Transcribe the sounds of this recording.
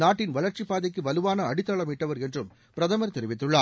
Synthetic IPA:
naːʈːɪnʋɐɭɐɾt͡ʃipːaːðɐkːɯʋɐlɯʋaːnɐːɽɪt̪ːɐɭɐmiʈːɐʋɐɾɛndrɯm | pɪɾɐðɐmɐɾt̪ɛɾɪʋɪt̪ːɯɭːaː

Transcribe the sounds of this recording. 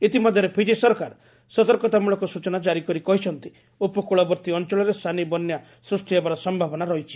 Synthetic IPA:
it̪imɔd̪ʱjɔɾepʰid͡ʒisɔɾkaɾ | sɔt̪ɔɾkɔt̪amuɭɔkɔsut͡ʃɔnad͡ʒaɾikɔɾikɔɦit͡ʃʰɔnt̪i | upɔkuɭɔbɔɾt̪iɔnt͡ʃɔɭɔɾest̪ʰanibɔnja | sɾusʈiebaɾɔsɔmbʱabɔnaɾɔɦit͡ʃʰi̥

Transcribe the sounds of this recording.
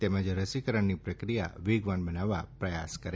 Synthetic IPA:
t̪ɛməd͡ʒɾəsikəɾəɳːipɾəkɾija̰ʋiɡʋanbənaʋapɾəjaskəɾe

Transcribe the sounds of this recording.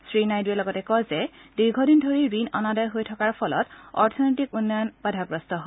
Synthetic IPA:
sɹinajduɛlɔɡɔtɛkɔzɛd̥iɹɡʱɔdindʱoɹiɹinɔ̰nadɔjɦojtʰɔkaɹpʰɔlɔ̰tɔ̰ɹtʰɔnojtikunːɔjɔnbadʱaɡɹɔstɔɦɔ

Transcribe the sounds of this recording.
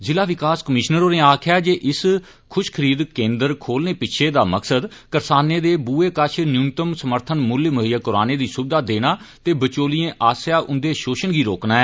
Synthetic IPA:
zɪlaːʋɪkaːskəmɪʃnəɾoːneːaːkʰɪjaːd͡ʒeːʔɪs | kʰʊʃkʰəɾiːd̪kẽːnd̪əɾkʰoːlneːpɪt͡ʃʰeːd̪aːməksəd̪kəɾsaːneːd̪eːbuːeːkət͡ʃʰnjuːnt̪əmsəməɾt̪ʰənmʊlməɦɪjəkʊɾaːneːd̪iːsʊbɪd̪aːd̪eːnaː | t̪eːbət͡ʃoːlijẽːʔaːsjaːʔʊnd̪eːʃoːʃənɡiːɾoːknaːɛː

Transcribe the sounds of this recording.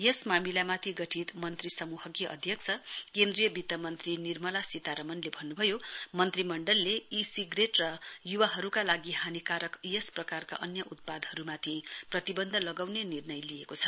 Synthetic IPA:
jesmamilamat̪ʰiɡʌʈʰit̪mʌnt̪risʌmuɦʌkjʌʔʌ̰d̪ʱjʌkt͡sʰʌkend̪rijʌbit̪ʌmʌnt̪rinirmʌlasit̪aɾʌmʌnlebʱʌnːubʱʌjomʌnt̪rimʌɳɖʌlːeisiɡreʈrʌjuwaɦʌɾukalaɡiɦanikaɾʌkjesprʌkarka̰ʔʌnjʌʔut̪̚pad̪ɦʌɾumat̪ʰiprʌt̪ibʌnd̪ʱʌlʌɡawnenirnʌjlijekot͡sʰʌ̥

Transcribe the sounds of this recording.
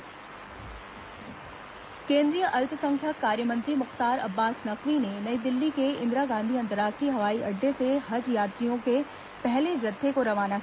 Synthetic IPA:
kẽːnd̪ɾijəʔɐlt̪ə̆sɐ̃ŋkʰjakaːɾjəmɐ̃nt̪ɾimʊxt̪aːɾɐbːaːsnɐkʋinenɐ̃ĩd̪ɪlːikʰeːɪ̃nd̪ɾaɡãːnd̪ʱiɐ̃nt̪ɾaːkiɦɐʋaːiʔɐɖʱeseɦɐd͡ʑjaːt̪ijõkʰe | pɛɦled͡ʑɐt̪ʰːekoɾɐʋaːna

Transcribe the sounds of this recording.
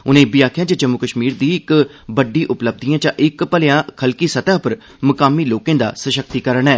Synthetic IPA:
ʊnẽːbiaːkʰjãːd͡ʒəd͡ʒəmːʊkəʃmiːɾd̪iːɪk | bəɖĩːʔʊpləb̚d̪ijãːt͡ʃãːʔɪkpəlɪjãːkʰəlkiːsət̪aːpəɾ | mʊkaːmiːloːkẽːd̪a̰ːsəʃək̚t̪iːkəɾəɳɛː

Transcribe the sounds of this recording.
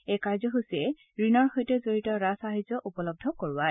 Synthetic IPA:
ekaɹzɔɦusɛ | ɹinɔɹxɔjtɛzoɹitɔɹasaɦizɔʔupɔlɔb̚dʱɔkoɹʊwa

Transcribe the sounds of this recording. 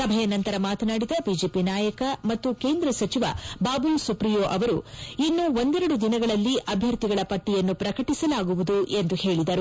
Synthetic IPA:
sɐbʱɐjɐnɐnt̪ɐɾɐmaːt̪ɐnaːɽid̪ɐbiːd͡ʒeːpinaːjɐkɐmɐt̪ːuke̞ːnd̪ɾɐsɐt͡ʃiʋɐ̰baːbulsupɾijoːʔɐʋɐɾuinːuʋo̞nd̪ɛɾɐɽud̪inɐɡɐɭɐlːiʔɐbʱjɐɾt̪iɡɐɭɐpɐʈːijɐnːupɾɐkɐʈisɐlaːɡuʋud̪uʔe̞nd̪uhe̞ːɭid̪ɐɾu

